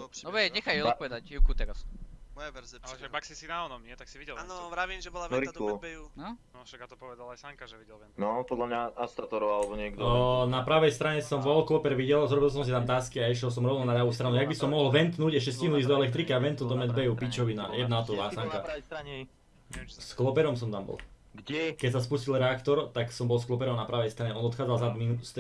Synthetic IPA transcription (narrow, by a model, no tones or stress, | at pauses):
ɔɛɲɛxajpɔʋɛd̪ajukut̪ɛɾas | baksisinaɔd̪ɲɪɛt̪aksiʋiɛainɔɾik̪lɔ | ʃat̪ɔpɔʋɛd̪alajsaŋkʒi | nɔpɔd̪lamɲaast̪at̪ɔɾɔalɛbɔɲɪɛɡd̪napɾaʋɛjst̪ɾaɲɛsɔmʋɔlklɔpɛɾʋiɟɛlzɾɔbilˠs̬ɔms̬it̪amt̪aːskiaiʃ̬jɛlˠs̬ɔmɾɔʊnʊnad̪ɾaʋust̪ɾanujaɡ̚bisɔmːɔɦlʋɛnt̪nuːɟɛs̬cɛscinuizd̪ɔɛlɛkt̪ɾikiaʋɛnt̪nud̪ɔmɛd̪bɛjupit͡ʃɔʋina̰jɛd̪naɔt̪ɔʋaːsaŋka | sklɔpɛɾɔmsɔmt̪ambɔ̰lˠ | kɛcsaspuscilɾɛakt̪ɔɾt̪aksɔmbɔlˠsklˠɔpɛɾɔʊnapɾaʋɛjst̪ɾaɲɛɔnɔt̪xaːd͡zalˠzad̪minust̪